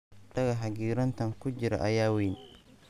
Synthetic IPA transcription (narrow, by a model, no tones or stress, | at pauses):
d̪ɐɣɐɦɐɡiːɾɐnt̪ʰɐŋkʰʊd͡ʒɪɾɐ̰ʔɐjaːwiːn